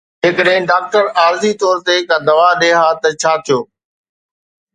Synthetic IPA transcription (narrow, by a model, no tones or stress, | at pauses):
ɪːkəɗɦɪ̃ɖaːk̚ʈəɾaːɾzit̪ɔːɾt̪ekãd̪ɐʋaɗeːɦaːt̪ɐt͡ɕʰaːt̪ʰijoː